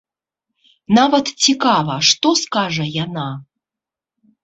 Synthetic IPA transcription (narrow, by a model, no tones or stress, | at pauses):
navɐt̪t͡sʲikavɐʂt̪ɔskaʐɐjana